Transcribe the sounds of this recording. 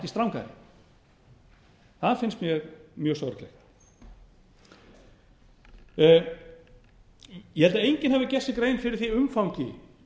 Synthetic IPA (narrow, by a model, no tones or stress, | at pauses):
ɛcɪ̥st̪ɾawŋka̰ɾɪ̰ | θaðfɪnst̪mjɛɣmjœːsawɾɪklɛ̰x | jɛhɛlt̪aejɲcɪnhavɪcɛsɪkɾeːjnfɪɾɪɾ̥θiʏmfawɲcɪ